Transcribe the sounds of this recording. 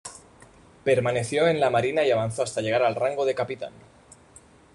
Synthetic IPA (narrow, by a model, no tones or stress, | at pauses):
pe̞ɾmane̞θjo̞e̞nlamaɾinaiaβ̞anθo̞ast̪aʝe̞ɣ̞aɾalraŋɡo̞ð̞e̞kapit̪a̰n